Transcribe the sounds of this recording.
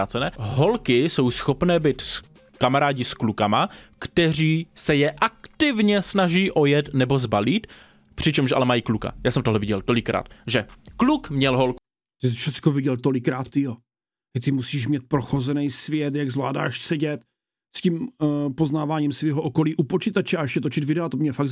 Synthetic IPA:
aːt͡sɛnɛːɦo̞lkɪso̞wsxo̞pnɛːbɪt̪s | kamaɾaːɟɪsklukamakt̪ɛr̝iːsɛjɛʔak̚t̪ɪvɲɛsnaʒiːʔojɛt̪nɛbo̞zbaliːt̪ | pr̝̥ɪt͡ʃɛmʃʔa̰lɛmajiːkluka̰jaːsɛmt̪oɦlɛvɪɟɛlt̪o̞lɪkɾa̰ːt̪ʒɛklukmɲɛlɦolku | t̪ɪsfʃɛtt͡skovɪɟɛlt̪olɪkɾaːt̪ːɪjo | t̪at̪ɪmusiːʃmɲɛt̪̚pɾoxozɛnɛjsvjɛt̪jaɡzvla̰ːda̰ːʃsɛɟɛt̪ | scimpoznaːvaːɲimsviːɦoʔokoliːʔupot͡ʃit̪at͡ʃɛaɛʃɛt̪ot͡ʃɪt̪vɪdɛat̪omɲɛfaɡ

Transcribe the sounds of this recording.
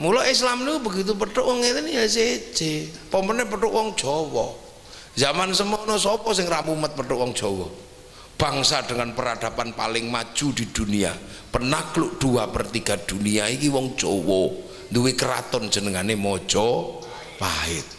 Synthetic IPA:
mulɔʔislamnikubəɡit̪̬up̬əʈʊʔwɔŋet̪ɪnijas̬e̥d͡ʒ̥e | pɔmpənɛpəʈʊʔwɔŋd̥ʒ̥ɔwɔ | zamansəmɔnɔsɔpɔsɪŋramumət̪̚pəʈʊʔwɔŋ̥ʒ̥ɔwɔ | b̥aŋsad̥əŋanpəɾad̪̥a̤panpa̰lɪŋmḁʒ̥ud̪̥i̤d̪̥unia̰ | pənakluʔd̪̥uapərt̪iɡ̥a̤d̪̥uniaikiwɔŋd̥ʒ̥ɔwɔ | nd̪uwekəɾa̰t̪ɔnd̥d͡ʒ̥ənəŋanemɔd̥ʒ̥ɔ | laɪ̰t̪̚

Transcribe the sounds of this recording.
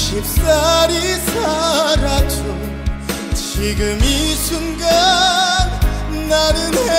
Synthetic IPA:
ɕip̚saɾisaɾat͡ɕu | t͡ɕiɡɯmisʰunɡa | naɾɯne

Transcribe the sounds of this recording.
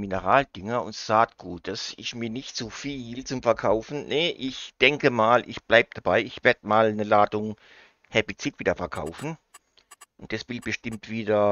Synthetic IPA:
mɪnəʁaːld̥ɪŋɐʊ̰ntz̥aːtɡ̥uːt̚d̥asɪsmiːɐnɪçtt͡sufiːlt͡sʊmfɛɐkʰaʊfn̩nəʔɪçd̥ɛŋkəmaːlʔɪ̰çb̥laɪb̚d̥ab̥aɪɪçv̥eːɐd̥əmaːlnəlaːdʊŋ | hɛpit͡sɪtv̥iːdɐfɛɐkʰa̰ʊfn̩ | ʔʊnt̚d̥asv̥ɪlb̥əʃtɪmtv̥iːdɐ

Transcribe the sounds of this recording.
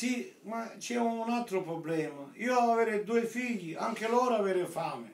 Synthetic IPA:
si | mat͡ʃːɛuunalt̪ɾʊpɾɔblɛːmaiːoavavɛːɾɪd̪uːɪfiʎːiʔaŋk̟ɪlɔːɾaavɛːɾɪfaːmɪ

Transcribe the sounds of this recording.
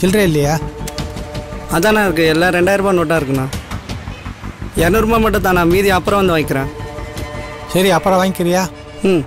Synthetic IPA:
sɪlɾẽɪlːɐjaː | ɐðãːnãːɪɾɯk̬ːɯɛlːaːɾɛɳɖaːjɪɾɯpaːnɔʈːaːɪɾɯkːɯnãː | ɛɾnɯɾɯmaːmɐʈːɯ̃t̪ãːnãːmiːðiɐpːɯɾɐ̃ʋɐnd̪ɯʋaːŋɡɪkːɪɾẽː | sɐɾiɐpːɾɐ̃ʋaːŋɡɪkːɪɾɪjaː

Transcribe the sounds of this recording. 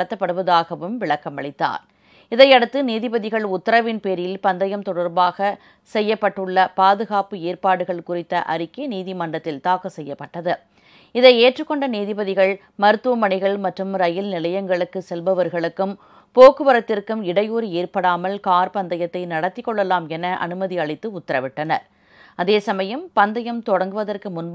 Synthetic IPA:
ɽɐt̪ːɐpːɐɽɯʋɐðaːɣɐʋɯmʋɪɭɐkːɐmɐɭɪt̪ːa̰ːɾ | ɪðɐɪɐɽɯt̪ːɯniːðɪbɐðɪɣɐɭʊt̪ːɐɾɐʋɪnpeːɾɪlpɐnd̪ɐjɐmt̪ɔɽɐɾbaːɣɐ | sɛjːɐpːɐʈːɯɭːɐpaːðɯɣaːpɯeːɾpaːɽɯɣɐɭkʊrɪt̪ːɐʔɐ̰ɾɪkːɐniːðimɐɳɖɐt̪ːɪlt̪aːkːɐsɛjːɐpːɐʈːɐðɯ | ɪðɐɪeːʈrɯkːɔɳɖɐniːðɪbɐðɪɣɐɭ | mɐɾɯt̪ːuɐmɐɳɪɣɐɭmɐʈrɯmɾɐjɪlnɪlɐjɐŋɡɐɭɯkːɯsɛlbɐʋɐɾɣɐɭɯkːɯm | poːkːɯʋɐɾɐt̪ːɪrkɯmɪɽɐjuːɾieːɾpɐɽaːmɐlkaːɾpɐnd̪ɐjɐt̪ːɐɪnɐɽɐt̪ːɪkːɔɭːɐlaːmɛnɐʔɐ̰nɯmɐðiɐɭɪt̪ːɯʊt̪ːɐɾɐʋɪʈːɐnɐ̰ɾ | ɐðeːsɐmɐjɐmpɐnd̪ɐjɐmt̪ɔɽɐŋɡɯʋɐðɐrkɯmʊn

